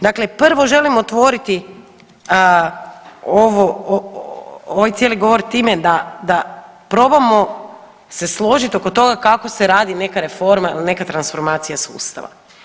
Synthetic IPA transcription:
d̪akle̞pr̩ʋo̞ʒe̞limot̪ʋo̞ɾit̪i | oʋoo | oʋajt̪sjeliɡo̞ʋo̞ɾt̪iːme̞d̪ad̪a | pɾo̞bamo̞ | se̞slˠo̞ʒit̪ioko̞t̪o̞ɡakako̞seɾaːd̪ine̞kaɾe̞fo̞ɾmailne̞kat̪ɾansfo̞ɾmaːt̪sijasṵːst̪a̰ʋa̰

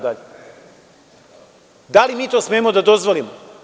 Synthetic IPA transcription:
d̪aʎe | d̪alimiːt̪osmeːmod̪ad̪ozʋo̞limo

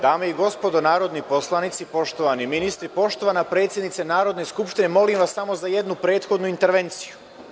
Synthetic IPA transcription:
d̪aːmeiɡo̞spo̞d̪o̞naːɾo̞d̪nipo̞slˠanit̪sipo̞ʃt̪o̞ʋaniminist̪ɾipo̞ʃt̪oʋanapɾe̞ːt̪sje̞d̪nit̪senaːɾo̞d̪ne̞skupʃt̪ine̞mo̞limʋasːamo̞zaje̞d̪nupɾe̞ːt̪xo̞d̪nuint̪e̞ɾʋe̞nt̪si̥ju

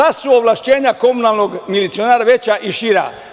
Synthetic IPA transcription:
asuoʋlˠaʃt͡ɕeːɲako̞munalˠnoɡmilit̪sionaːɾaʋe̞t͡ɕaʔiʃiɾa̰

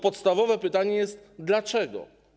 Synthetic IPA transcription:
pɔt̪st̪avɔvɛpɘt̪aɲɛjɛst̪d̪lat͡ʂɛɡɔ̰

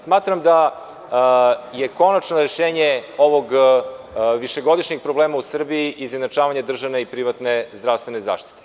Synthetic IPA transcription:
smaːt̪ɾamd̪a | jeko̞nat͡ʃnoɾeʃeːɲeo̞ʋoɡ | ʋiʃeɡo̞d̪iʃɲek̚pɾobleːmausr̩biːʔizned̪nat͡ʃaːʋaɲad̪r̩ʒaʋneipɾiʋat̪ne̞zd̪ɾaʋst̪ʋeneza̰ːʃt̪i̥t̪e

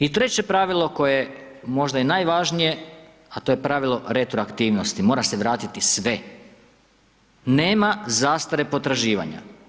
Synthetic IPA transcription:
it̪ɾe̞t͡ɕe̞pɾaʋilˠo̞ko̞jee | mo̞ʒd̪ajenaːjʋaʒnije̞ | at̪o̞je̞pɾaʋilˠo̞ɾet̪ɾoakt̪iːʋno̞st̪imo̞ːɾase̞ʋɾaːt̪it̪isʋe̞ | ne̞ːmazaːst̪aɾe̞po̞t̪ɾaʒiːʋa̰ɲa̰

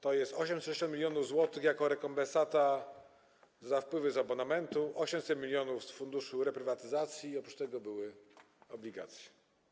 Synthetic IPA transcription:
t̪ɔjɛst̪ɔɕɛmsʃɛɕɔt̪mʲilʲjɔnuvzwɔt̪ɘxjakɔɾɛkɔmbɛ̃nsat̪a | zafpwɘvɘzabɔnamɛnt̪uɔɕɛmsɛt̪mʲilʲjɔnufsfund̪uʂuɾɛpɾɘvat̪ɘzat̪sʲjiːɔpɾut͡ʃt̪ɛɡɔbɘwɘ | ɔblʲiɡa̰t̪sʲjɛ̥

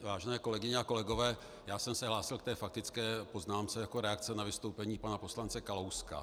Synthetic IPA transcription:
vaːʒɛnɛːko̞lɛɡɪɲɛako̞lɛɡo̞vɛː | jaːsɛmsɛɦlaːsɪlk̚t̪ɛːfak̚t̪ɪt͡skɛːpo̞znaːmt͡sɛjako̞ɾɛak̚t͡sɛnavɪst̪o̞wpɛɲiːpanapo̞slant͡sɛkalowska̰

